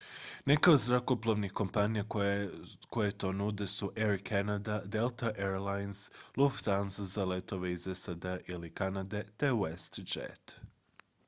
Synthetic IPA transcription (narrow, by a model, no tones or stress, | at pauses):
nekaod̪zɾakoplˠoʋnixko̞mpanija | ko̞jet̪o̞nud̪esuʔeɾikʰanad̪ad̪elˠt̪aʔeɾlajnsluft̪anzzalet̪oʋeizesad̪eaʔilikanad̪e̞t̪e̞west̪d͡ʒḛt̪